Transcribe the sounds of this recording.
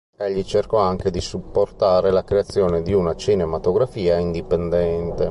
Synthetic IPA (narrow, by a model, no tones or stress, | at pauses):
eʎːit͡ʃerkɔaŋked̪isupːort̪aːɾelakɾeat̪sːjɔːned̪iunat͡ʃinemat̪oɡɾafiːaind̪ipend̪ɛnt̪e